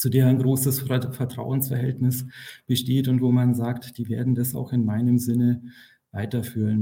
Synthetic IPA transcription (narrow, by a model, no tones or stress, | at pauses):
t͡sudeːɐaɪnɡʁoːsəsfɛɐtʁ̥a̰ʊənsfɛɐɦɛltnɪsb̥əʃteːtʊntv̥oːmanzaːktd̥iːvḛːɐdn̩dasa̰ʊxɪnmaɪnəmzɪnə | vaɪtɐfyːʁən